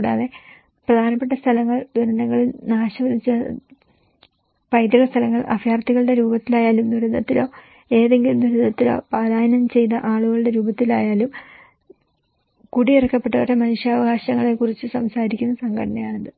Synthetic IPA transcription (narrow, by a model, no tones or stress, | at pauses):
ɽa̰ːðe̞ | prɐd̪ʱaːnɐpːe̞ʈːɐst̪ʰɐlɐŋːɐɭd̪uɾɐnd̪ɐŋːɐɭilnaːɕɐʋɐlit͡ɕːɐ | pɐjd̪ɐɣɐst̪ʰɐlɐŋːɐɭʔɐ̰fjaːrt̪ːiɣɐɭɨɽe̞ɾuːbɐt̪ːilaːjaːlumd̪uɾɐnd̪ɐt̪ːilo̞ː | e̞ːðe̞ŋɡilumd̪uɾɐnːɐt̪ːilo̞̰ːpaːlaːjɐnɐmt͡ɕe̞jnːɐʔaːɭuɣɐɭɨɽe̞ɾuːbɐt̪ːilaːjaːlum | kuɽiirɐkːɐpːe̞ʈːɐɐɾemɐnuʂjaːʋɐɣaːɕɐŋːɐɭe̞kurit͡ɕːɨsɐmsaːɾikʲːunːɐsɐŋɡɐʈʰɐnɐjaːɳɐnd̪ɨ